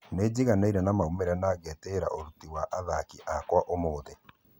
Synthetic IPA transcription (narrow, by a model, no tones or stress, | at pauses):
ned͡ʑiɣanaiɾɛnamaumeɾɛnaːɣɛteɾaʔoɾutiwaʔaðakiʔakwaʔomoːðe